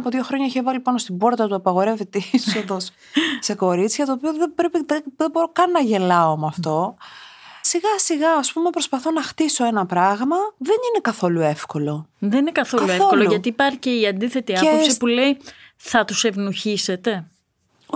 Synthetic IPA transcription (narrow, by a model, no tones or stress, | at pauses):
poðʝo̞xɾo̞ɲɐiçevɐlipɐnost̪ibo̞ɾt̪ɐt̪uɐpɐɣo̞ɾe̞vit̪esoðo̞s | se̞ko̞ɾit͡sçɐt̪oːpioðebɾepiðeðeboɾokɐnnːɐʝe̞lɐomɐft̪o̞ | siɣɐsiɣɐːspumepɾo̞spɐθo̞nɐxt̪iso̞e̞nɐpɾɐɣmɐðeninekɐθo̞lue̞fko̞lo̞ðeninekɐθokɐlueoolouʝɐt̪iːpɐɾceiɐnd̪iθet̪iɐepopsipulei | θɐt̪usevnuçise̞t̪e̞